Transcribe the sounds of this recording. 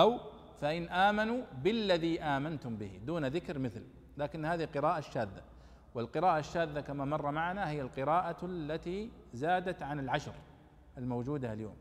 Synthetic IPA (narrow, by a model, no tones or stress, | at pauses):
ʔaw | faʔɪnʔaːmanuːbɪlːaðiʔaːmant̪ʊmbɪhḭd̪uːnðɪkɾmɪθl | laːkɪnːhaːðiqɨɾaːʔaʃːaːðːa | wɪlqɨɾaːʔaʃːaːðːakamamɑrˤːɑmaʕanahɪjːalqɨɾaːʔalːat̪i | zaːd̪at̪ʕanɪlʕaʃɾ | ʔɪlmowd͡ʒuːd̪aaljo̰ːm